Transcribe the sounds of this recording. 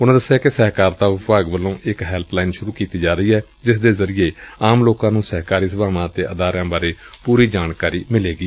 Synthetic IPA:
ʊnãːd̪əsːjaːkesɛɦkaːɾt̪aːʋʊpʋaːɡʋəlõːʔɪkɦɛːlplaːɪnʃʊɾuːkiːt̪iːd͡ʒaːɾəiːɛː | d͡ʒɪs̬d̪eːzəɾɪjeːaːmloːkãːnũːsɛɦkaːɾiːs̬əbaːmãːt̪eːʔəd̪aːɾjãːbaːɾeːpuːɾiːd͡ʒaːnkaːɾiːmɪleːɡiː

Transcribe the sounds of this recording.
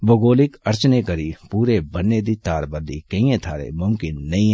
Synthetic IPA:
bʱoɡoːlɪkɐɾt͡ʃnekɐɾipuːɾebɐnːeːd̪it̪aːɾbəɾd̪ikɐĩẽt̪ʰaːɾḛmʊmkɪnːɐɦĩ

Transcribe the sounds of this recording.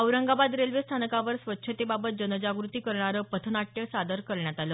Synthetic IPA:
əwɾəŋɡabad̪ɾelʋest̪ʰanəkaʋəɾsʋətːɕʰət̪ebabət̪̚d͡ʑənəd͡ʑaɡɾut̪iːkəɾɳ̃aɾəːpət̪ʰənaʈjəsad̪əɾkəɾɳjat̪aləː

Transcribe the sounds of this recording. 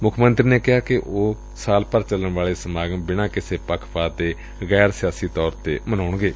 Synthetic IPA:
mʊkʰmənt̪ɾiːneːkɪɦaːkɪʔoː | saːlpəɾt͡ʃələɳʋaːɭeːsəmaːɡəmbɪñãːkɪseːpəkʰpaːt̪eː | ɣɛːɾsɪjaːsiːt̪ɔːɾt̪ḛːmənaːʊɳɡeː

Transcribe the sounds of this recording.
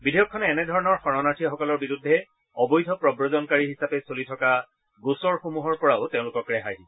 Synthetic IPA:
bidejɔkʰːɔnɛːnɛdʱɔɹɔnɔɹxɔɹɔnatʰijaxɔkɔlɔɹbiɹudʱːɛ | ɔbɔjdʱɔpɹɔbɹɔzɔnkaɹiɦisapɛsolitʰɔka | ɡosɔɹxomuɦɔɹpɔɹaʊteʊ̃lʊkɔkɹɛɦaji

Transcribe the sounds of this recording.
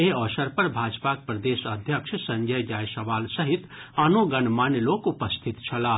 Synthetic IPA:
eɔːʃəɾpɐɾbʱaːd͡ʒpak̚pɾɐd̪eːʃɐd̪ʱjəkʃsɐ̃ŋɡʱəjɡaːjsɐʋaːlsɐɦɪt̪anoɡɐnmanjəloːkʊpəst̪ʰɪt̪t͡ʃʰɐlaː

